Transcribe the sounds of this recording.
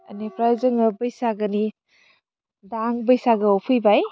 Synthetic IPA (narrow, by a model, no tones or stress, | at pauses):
ɐnepʰɾajzɯŋɐbəjsaɡɐni | daŋbəjsaɡɯopʰɯjbaj